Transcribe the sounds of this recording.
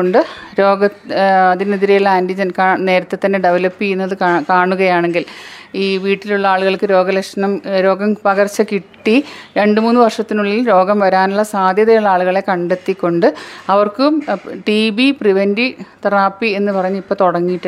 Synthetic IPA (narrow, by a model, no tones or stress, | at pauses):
oɳɖɨɾo̞ːɡɐɐðineðiɾijulːaːndid͡ʑɐnkaːne̞ːɾɐt̪ːet̪ːɐnːeɖeʋɐlɐpːiunːɐðɨkaːɳuɣɐjaːɳe̞ŋɡiliːʋiːʈːiluɭːɐaːɭuɣɐɭkɨɾo̞ːɡɐlekʂɐnɐmɾo̞ːɡɐmpɐɣɐrt͡ɕːɐkiʈːiɾe̞ɳɖɨmuːnːɨʋɐrʂɐt̪ːinuɭːilɾo̞ːɡɐmʋɐɾaːnuɭːɐsaːd̪ʱjɐðɐjuɭːɐaːɭuɣɐɭe̞kɐɳɖe̞t̪ːikʲːo̞ɳɖɨɐʋɐrkɨmʈibipriʋendit̪ɐraːpːie̞nːɨpɐrɐɲːuipːoːt̪oɽɐŋːijʈːu